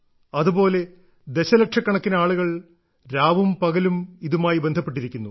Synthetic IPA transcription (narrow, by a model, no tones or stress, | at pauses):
ɐðupo̞ːle̞ | d̪eɕɐlɐk̚ʂɐkːɐɳɐkːinɐaːɭuɣɐɭ | ɾaːʋumpɐɣɐlumiðumaːjibe̞nd̪ʱɐpːe̞ʈ̬ːiɾikʲːunːu